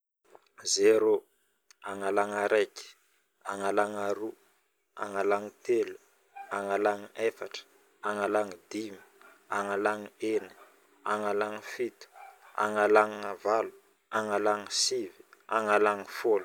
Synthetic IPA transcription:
zeɾo | aŋalaŋaɾʔeki̥ | aŋalaŋaɾu | a̰ŋalaŋit̪elu | aŋalaŋiefaʈ͡ʂə̥ | aŋalaŋid̪imi̥ | aŋalaŋieni̥ | aŋalaŋifit̪u̥a̰ŋalaŋavalu̥ | aŋalaŋisivi̥aŋalaŋifolu

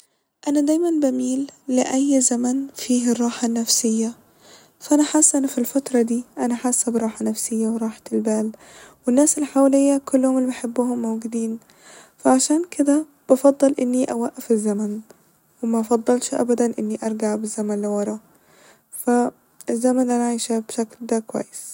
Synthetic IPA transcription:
ʔanad̪aːjmanbamiːlːɪʔajːzamanfiːɦɪrˤːɑːħanːafsɪjːa | faʔanaħasːʔanafilfat̪ɾˤɑd̪iːʔanaħaːsːabɾˤɑːħanafsɪjːawɾˤɑːħt̪ɪlbaːl | wɪnːaːsɪlħawalɪjːakʊlːhʊmɪlːibɪħebːʊhʊmːowɡɪd̪iːn | faʕaʃaːnkɪd̪a | b̥ɑfɑd̪ˤːɨlʔɪnːiʔawaʔːafɪzːaman | wɪmaʔɑfɑd̪ˤːɑlʃʔa̰bad̪anʔɪnːiʔɑɾˤɡaʕbɪzːamanlɪwɑɾˤɑ | fa | ɪzːamanʔanaʕaʃabʃakld̪akwa̰ːjːɪs

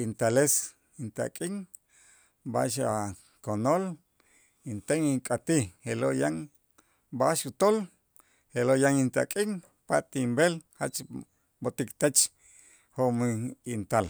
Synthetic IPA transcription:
int̪ales | int̪a̰kʼiŋ | ba̰ʃa | konol | int̪eŋiŋkʼat̪ihelojaŋ | baʃut̪ol | helojaŋint̪a̰kʼiŋ | pat̪imbelha̰t͡ʃ | bot̪ikt̪at͡ʃ | homint̪al

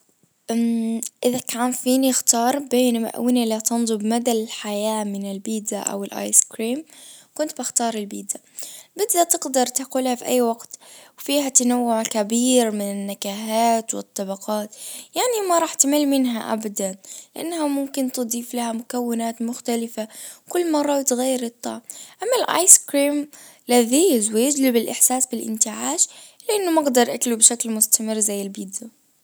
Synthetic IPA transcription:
ʔʔɪðakʰaːnfiːnixt̪ɑːɾˤbeːnma̰ʔa̰wɪnilat̪ɑnðˤɨbmad̪aɪlħajaːmɪnɪlbiːd̪a̰ʔa̰wɪlʔa̰ːjskɾiːmkʊnt̪baxt̪ɑːɾˤɪlbiːd̪a | bɪd̪ːat̪ɪɡd̪ɑɾˤt̪aquːlhafiʔa̰jːwaɡt̪wfiːhat̪anawːʊʕkabiːɾmɪnɪnːakaːɦaːt̪wɨ̰t̪ˤːɑbɑqɑːt̪jaʕnimaɾˤɑːħt̪amɪlmɪnɦaʔa̰bad̪anlɪʔa̰nːhamʊmkɪnt̪ɨd̪ˤiːflahamʊkawːɪnaːt̪mʊxt̪alɪfakʊlːmɑrˤːɑbɪt̪ɣajːɪɾɨt̪ˤːɑ̰ːʕmʔamːalʔa̰jskɾiːm | laðiːzwɪjɪd͡ʒlɪbɪlʔɪħsaːsbɪlʔɪ̰nt̪ɪʕaːʃ | lɪʔanːʊmɑɡd̪ɑɾˤʔaklubʃaklmʊst̪amɪrːzajːɪlbid̪ju

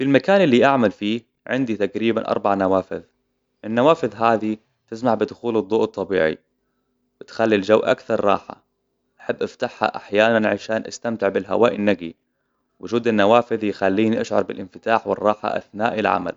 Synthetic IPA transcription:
filmakaːnɪlːiʔaʕmalfiː | ʕɪnd̪it̪aɡɾiːbanʔɑ̰ɾˤbaʕnawaːfɪ̰ð | ʔɪnːawaːfɪðɦaːði | t̪ɪsmaʕbɪd̪ʊxuːlɨd̪ˤːuːʔt̪ˤːɑbiːʕḭ | wɪt̪xalːild͡ʒawːʔa̰kθɑɾˤrˤɑ̰ːħa̰ | ʔaħabːʔaft̪aħha̰ʔaħjaːnanʕaʃaːnʔa̰st̪amt̪ɪʕbɪlɦa̰waːʔɪnːaɡḭ | wɪʒuːd̪ɪnːawaːfɪðjxalːiːniʔaʃʕɑ̰ɾˤbɪlʔɪnfɪt̪aːħwɪ̰rˤːɑːħa̰ʔa̰θnaːʔɪlʕa̰ma̰l

